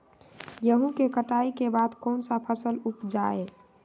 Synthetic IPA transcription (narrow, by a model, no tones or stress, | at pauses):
jəɦũkekəʈaikebad̪kɔːnsapʰəsəlupd͡ʒae